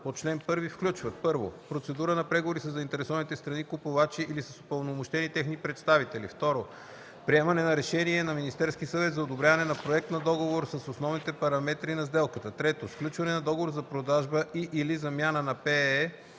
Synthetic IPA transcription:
pot͡ʃlɛnpɤɾvifklʲut͡ʃvət̪̚pɤɾvo̰pɾot̪sɛd̪uɾənɐpɾɛɡovoɾisəzːɐint̪ɛɾɛsɔvənit̪ɛst̪ɾɐnikʊpovat͡ʃiʔilisəso̥pəlˠnomoʃt̪ɛnit̪ɛxnipɾɛt̪st̪avit̪ɛlḭft̪ɔɾo | pɾiɛmɐnɛnɐɾɛʃɛniɛnɐminist̪ɛɾskisɐvɛt̪zɐod̪obɾʲjavɐnɛnɐpɾoɛk̚t̪nɐd̪ɔɡovoɾsəsosnɔvnit̪ɛpɐɾɐmɛt̪ɾinɐzd̪ɛlˠkət̪ət̪ɾɛt̪osklʲut͡ʃvɐnɛnɐd̪ɔɡovoɾzɐpɾod̪aʒbəʔiʔilizɐmʲjanənɐpɛ

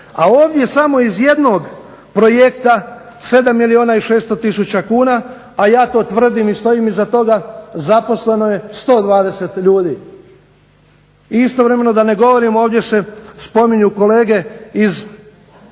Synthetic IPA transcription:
aoːʋd̪je̞samo̞izje̞d̪no̞ɡ | pɾo̞jekt̪a | se̞d̪amːilioːnaiʃe̞ːst̪o̞t̪isut͡ɕakuːnaː | jaːt̪o̞ːt̪ʋr̩d̪imist̪o̞imizat̪o̞ɡazapo̞sle̞no̞je̞st̪o̞ːd̪ʋaːd̪e̞se̞t̪ʎuːd̪iː | ist̪o̞ʋɾe̞me̞no̞d̪ane̞ɡo̞ʋo̞ɾimoːʋd̪je̞se̞spo̞miɲuko̞le̞ːɡe̞iz

